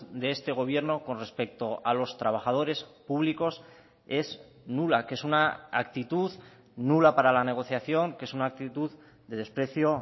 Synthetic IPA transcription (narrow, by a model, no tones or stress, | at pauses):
d̪e̞est̪e̞ɣ̞o̞βje̞ɾno̞ko̞nre̞spe̞k̚t̪o̞alo̞st̪ɾaβ̞aχað̞o̞ɾe̞spuβ̞liko̞s | e̞z | nulakeesunaakt̪it̪uð | nulapaɾalane̞ɣ̞o̞θjaθjo̞ŋke̞sunaːk̚t̪it̪uð | d̪e̞ðe̞spɾe̞θjo̞